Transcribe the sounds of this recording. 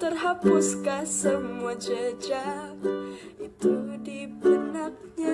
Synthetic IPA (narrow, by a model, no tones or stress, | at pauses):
t̪ərɦapʊskasəmuad͡ʒəd͡ʒa | ʔit̪udipənap̚ɲa